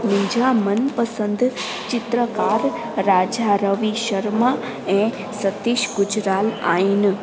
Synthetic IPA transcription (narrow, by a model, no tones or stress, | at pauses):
mɪ̃d͡ʒʱamənpəsənd̪ | t͡ʃɪt̪ɾəkaɾ | ɾad͡ʒaɾəʋiʃəɾma | ẽ | sət̪iʃɡʊd͡ʒɾala̰in